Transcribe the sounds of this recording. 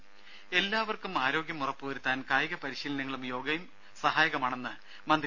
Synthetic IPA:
e̞lːaːʋɐrkumaːɾo̞ːɡjɐmurɐpːɨʋɐɾut̪ːaːnkaːjɐɣɐpɐɾiɕiːlɐnɐŋːɐɭumjo̞ːɡɐjum | sɐhaːjɐɣɐmaːɳe̞nːɨ | mɐnd̪

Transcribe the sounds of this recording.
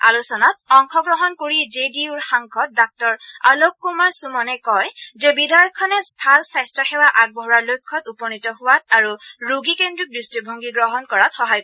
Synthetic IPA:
a̰lusɔnatɔŋxʰɔɡɹɔɦɔnkoɹid͡ʒediuɹxaŋkʰɔt̚dak̚tɔɹalokːumaɹsumɔnɛkɔjzɛbidajɔkʰːɔnɛspʰalsajstɹɔxɛwaʔaɡ̚bʱɔɦɹaɹlojkʰːɔtupɔnitɔɦʊwat̚aɹuɹuɡikendɹudɹistibʱɔŋɡiɡɹɔɦɔnkɔɹatxɔɦajk

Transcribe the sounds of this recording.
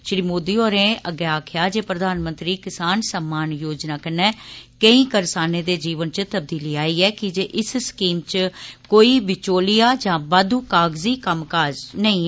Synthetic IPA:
ʃɾiːmoːd̪iːoːɾẽːəɡɛːaːkʰjaːd͡ʒeːpɾəd̪ʱaːnmə̃nt̪ɾiːkɪsaːnsəmːaːnjoːd͡ʒnaːkənɛːkəĩːkəɾsaːneːd̪eːd͡ʒiːʋənt͡ʃt̪əb̚d̪iːliːaːiːɛːkɪd͡ʒeːʔɪsskiːmt͡ʃkoːiːʋɪt͡ʃoːlɪjaːd͡ʒãːbaːd̪uːkaːɡziːkəmkaːd͡ʒnəĩː

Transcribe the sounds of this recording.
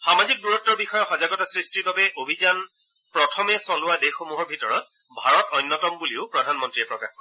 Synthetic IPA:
xamazik̚duɹɔtːɔɹbixɔjɔxɔzaɡɔtasɹistiɹbabɛʔobʱizan | pɹɔtʰɔmɛsɔlʊadexomuɦɔɹbʱitɔɹɔt̚ | bʱaɹɔtɔjnːɔtɔmbuliʊpɹɔdʱanmɔntɹiɛpɹɔka̰x

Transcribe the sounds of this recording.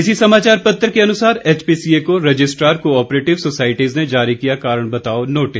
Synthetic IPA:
ɪsisɐmaːt͡ʃaːɾpɐt̪ːəɾkeɐnʊsaːɾeːt͡ʃpiːsiekoɾɐd͡ʒɪsʈɾaːɾkoɔːpɾeːʈɪʋsosaːɪʈizned͡ʒaːɾikijakaːɾəɽ̃bɐt̪aːonoːʈɪs

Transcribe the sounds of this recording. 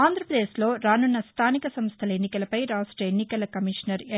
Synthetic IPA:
aːnd̪ɾɐpɾɐd̪eːslo̞ːɾaːnunːɐst̪ʰaːnikɐsɐmst̪ʰɐlɐenːikɐlɐpɐjɾaːsʈɾɐenːikɐlɐkɐmiʂnɐɾe

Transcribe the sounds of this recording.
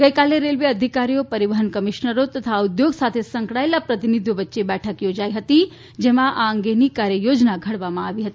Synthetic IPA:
ɡəikaːleɾelʋeəd̪ʱikaɾijopəɾiʋəɦənkəmiʃnəɾot̪ət̪ʰaud̪joɡsat̪ʰesə̃ŋkɽaelapɾɐt̪inid̪ʱjoʋətːʃebɛːʈʰəkjod͡ʒaːiɦət̪i | d͡ʒɛɦmãʔaəŋɡenikaɾjəjod͡ʒnaɡʱɐɽʋamãaʋiɦət̪ii

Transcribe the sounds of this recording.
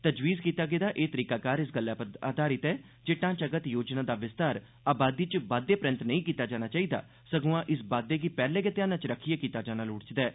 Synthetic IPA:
t̪əd͡ʒʋiːzkiːt̪aːɡeːd̪aːʔeːt̪əɾiːkaːkaːɾɪsɡəlːaːpa̰ːd̪ʱaːɾɪt̪ɛː | d͡ʒeːʈãːt͡ʃəɡət̪joːd͡ʒnãːd̪aːʋɪst̪aːɾ | aːbaːd̪iːt͡ʃbaːd̪ːeːpɾə̃nt̪nəĩːkiːt̪aːd͡ʒaːñaːt͡ʃaːiːd̪a̰ː | səɡõãːʔɪsbaːd̪eːɡiːpɛːleːɡət̪eaːnãːt͡ʃɾəkʰiːjaːkiːt̪aːd͡ʒaːnaːlʊɽt͡ʃd̪ɛː

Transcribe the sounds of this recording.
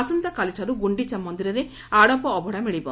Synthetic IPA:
asɐnt̪ɐkaliʈʰɐɾuɡuɳɖit͡ʃɐmːɔnd̪iɾɐɾe | aɽɔpɔːbʱɔɽamiɭibɔ

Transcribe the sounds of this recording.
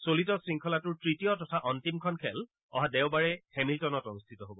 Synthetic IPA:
solitɔsɹiŋkʰɔlatʊɹtɹitijɔtɔtʰaʔɔntimkʰɔnkʰɛl | ɔ̰ɦadɛʊbaɹɛhemiltɔnɔtɔnustʰitɔɦobɔ

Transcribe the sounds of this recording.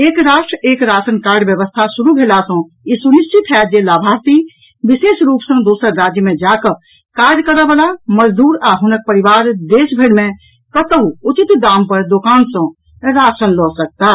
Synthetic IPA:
eːkɾaːʃʈɾəeːkɾaːsənkaːɾɖʋjəʋəst̪ʰasuɾubʱelasə̃ | isuniʃt͡ʃit̪ʰɛːd͡ʒjelaːbʱaːɾt̪i | biseːsɾuːpsə̃d̪oːsəɾːaːd͡ʒjəmẽd͡ʒakə | kaːɾd͡ʒkəɾəbalaməd͡ʒd̪uːɾaːɦunək̚pəɾiʋaːɾd̪eːsbʱeɽmẽ | kət̪əɦuut͡ʃit̪d̪aːmpəɾd̪okaːnsə̃ | ɾaːsənlɔsək̚t̪a

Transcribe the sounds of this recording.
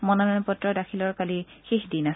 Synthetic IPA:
mɔnɔnɔnɔpɔtɹɔdakʰilɔɹkalixixdinas

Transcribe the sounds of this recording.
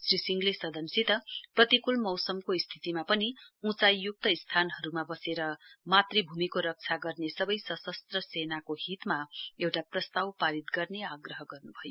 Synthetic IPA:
srisiŋɡlesʌd̪ʱʌnsit̪ʌprʌt̪ikulmʌwsʌmkoist̪ʰit̪imapʌniũt͡sajːuk̚t̪ʌist̪ʰanɦʌɾumabʌseɾʌmat̪ribʱumikoɾʌk̚t͡sʰaɡʌrnesʌbʌjsʌsʌst̪rʌsenakoɦit̪maewʈaprʌst̪awpaɾit̪ɡʌrneaɡrʌɦʌɡʌrnubʱʌjo

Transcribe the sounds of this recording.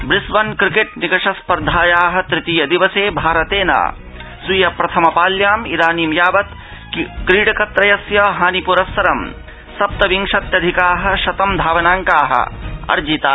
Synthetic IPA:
bɾɪsʋɐnkɾikeʈnikɐʂɐspɐɾd̪ʱaːjaːɦɐ̆t̪ɾɪt̪ijɐd̪iʋɐseːbʱaːɾɐt̪eːna̰ː | sujɐpɾɐt̪ʰɐmɐpaːljaːmid̪aːniːmjaːʋɐt̪ | kɾiːɖɐkɐt̪ɾɐjɐsjɐɦaːnipuɾɐsːɐɾɐm | sɐp̚t̪ɐʋiŋʂɐt̪jɐd̪ʱikaːɦɐ̆ʃɐt̪ɐmd̪ʱaːʋɐnaːŋkaːɦɐ̰ɐ̰ɾd͡ʒit̪aː

